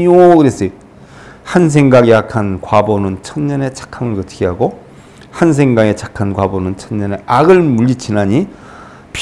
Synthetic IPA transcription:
okɯɾes͈ɯ | hans̬ʰe̞ŋɡaɡiakʰankwabonɯnt͡ɕʰʌnɲʌne̞t͡ɕʰḁkʰamɯɭkɯtʰɡiɦaɡo | hans̬ʰe̞ŋɡaŋe̞t͡ɕʰḁkʰankwabonɯnt͡ɕʰʌnɲʌne̞ʔaɡɯɭmuʎːit͡ɕʰinaɲi | p

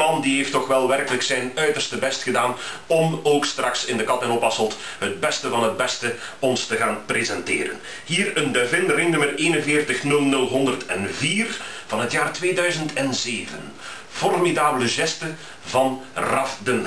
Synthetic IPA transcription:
mɑndiɦeːftːɔxʋɛlˠʋɛrkələksɛjnœɥtərstəbɛstxədaːnɔmoːkstrɑksɪndəkɑtɛnɔpɑsəlˠt | ɦəd̚bɛstəvɑnɦəd̚bɛstə | ɔnstəɣaːnprezɛntɪ̰ːɾə̰n | ɦiːrəndəvɪnrenɵməreːnənvɪːrtəxnɵlˠnɵlˠɦɔndərtʰɛnviːrv̥ɑnɦətjaːrtʋeːdœɥzəntʰɛnzeːvən | fɔrmidaːbələʒɛstə | vɑnrɑfdən

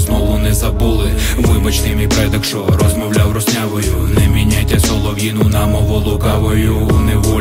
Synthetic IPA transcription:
znɔʋʊnɛzɐbulˠɪʋɪbɔt͡ʃnɪmʲipɾɛd̪ɐkʃɔɾɔzmɔwlʲawrɔsʲnʲaʋɔjʊnɛmʲinʲajtʲːɐsɔlˠɔʋʲinʊnɐmɔʋɔlˠʊkɑʋɔjʊnɛʋɔ

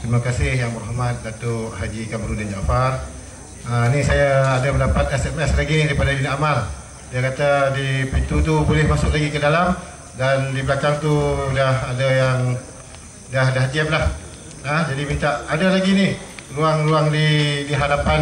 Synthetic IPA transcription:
t̪ɾimakasɪhjaŋmʊɾɦamat̪̚dat̪ʊʔɦad͡ʒikamɾudand͡ʒafar | ənisajaːdabəndapat̪̚ɛsɛmɛslaɡinidaɾipadadinaʔamal | diakat̪adipint̪ut̪ubolɛhmasʊklaɡikədalam | dandibəlakaŋt̪udahadajaŋ | daɦdaɦd͡ʒiamlah | əd͡ʒadimint̪aʔadalaɡiniruaŋruaŋdidiɦadapan

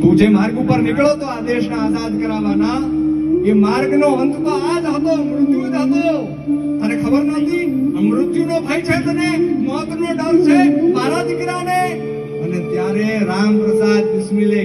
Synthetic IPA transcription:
pud͡ʒemaːɾɡupəɾnɪkɭot̪oad̪eʃnaaːzad̪kəɾaʋana | emaːɾɡnoʋə̃nt̪maad͡ʒɦət̪oəmɾʊt̪juəd͡ʒat̪o | t̪anekʰəbəɾnɔ̃ːnd̪iəmɾʊt̪junobʱait͡ʃʰet̪ənemɔt̪noɖənt͡ʃʰemaːɾad̪ɪkɾane | ənet̪jaɾeɾampɾəsaːd̪p̪ɪsmile

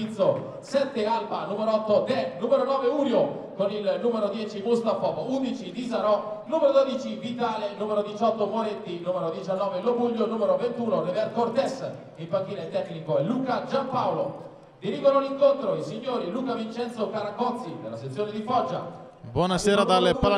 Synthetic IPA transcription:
it̪so | sɛt̪ːealbanumeɾoɔt̪ːod̪ɛnumeɾonɔːveuːɾjo | konilnuːmeɾod̪jɛːt͡ʃimust̪afɔkound̪it͡ʃid̪izaɾɔnumeɾod̪od̪it͡ʃivit̪aːlenuːmeɾod̪it͡ʃɔt̪ːomoɾet̪ːinuːmeɾod̪jit͡ʃanːɔːvelobuʎːonuːmeɾovent̪uːnonevɛrkort̪ɛs | impaŋk̟ːiːnaet̪ːɛkːnikoɛluːkad͡ʒampawlo | d̪iɾiːɡonoliŋkont̪ɾoisiɲːoːɾiluːkavint͡ʃɛnt̪sokaɾakɔt̪sid̪elːaset̪sːjoːned̪ifɔd͡ʒːa̰ | bwɔnasɛːɾad̪alpal

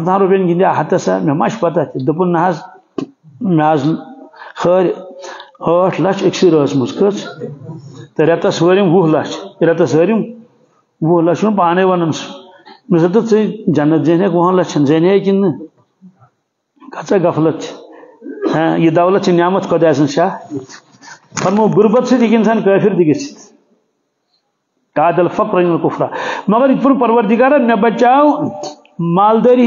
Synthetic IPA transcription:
t̪ʰãːnɾupʲenɡinʲd̪ʲiaɦɐt̪ɐsa̰mʲemɐʃpɐt̪ɐt̪ʰʲid̪ɨp̬unːɐɦaz | mʲaːz | xəːɾʲ | əːʈʰlɐt͡ʃʰeksiɾəːt͡smuskət͡sʰ | t̪ɐɾʲɐt̪ɐsəːɾʲimwuhlɐt͡ʃʰɾʲɐt̪ɐsəːɾʲim | wuhlɐʃunpaːneʋɐnɐnsu | misɐt̪ɨt͡sɨd͡ʒɐnːɐt̪zenʲekwoɦɐ̃nlɐst͡ʃʰɐnzenʲeːkinɨ | kɐt͡sɐɡɐflɐt̪̚t͡ʃʰi̥ | jid̪ɐwlɐt̪̚t͡ʃʰinʲaːmɐt̪ʰkʰod̪aːzɨnʃaːt̪ | pɐɾmɐbuɾbɐt̪sʰit̪ikʲins̬ʰankəːpʲiɾd̪iɡɐsʰi̥t̪ | kaːd̪ɐlfɐkɾɐnlkufɾa̰ːmɐɣɐɾikpunpɐɾʋɐɾd̪iɡaːɾɐmʲɐbɐt͡ʃaːw | maːld̪ɐːɾi

